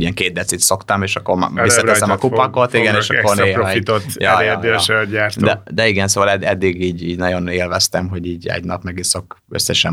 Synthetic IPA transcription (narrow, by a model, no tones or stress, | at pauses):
ijɛŋkeːd̪b̪ɛt̪sit̪so̞kt̪ɒmeːʃɒkːormisːɒɛsɛmɒkupɒkot̪iɡɛneːʃɒkkorneːɾit̪ot̪jɒjd̪eɛɟaːrt̪d̪ɛd̪ɛiɡɛnsoːʋɒlɛd̪ɛd̪ːiɡiːɟiːɟnɒjo̞neːlvɛst̪ɛmɦo̞ɟiːɟɛ̰ɟnɒpmɛɡiso̞kø̰sːɛʃɛm